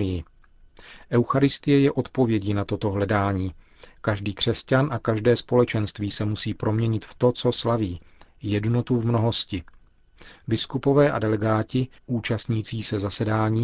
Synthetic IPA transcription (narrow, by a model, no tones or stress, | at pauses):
ɪjɪ | ʔɛwxaɾɪst̪ɪjɛjɛʔo̞t̪po̞vjɛɟinat̪o̞t̪o̞ɦlɛdaːɲiː | kaʒdiːkr̝̥ɛscanʔakaʒdɛːspo̞lɛt͡ʃɛnst̪viːsɛmusiːpɾo̞mɲɛɲɪt̪ft̪o̞t͡so̞slaviː | jɛdno̞t̪uvmno̞ɦo̞scɪ | bɪskupo̞vɛːʔa̰dɛlɛɡaːcɪʔuːt͡ʃast̪ɲiːt͡siːsɛzasɛdaːɲiː